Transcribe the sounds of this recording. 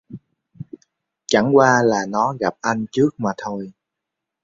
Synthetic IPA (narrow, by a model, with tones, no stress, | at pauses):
t͡ɕa˧˩ŋkwaː˧laː˨˩nɔ˨˦ɣa˨˩p̚ʔa˧jŋt͡ɕɨ˦˥ək̚maː˨˩t̪ʰo˧j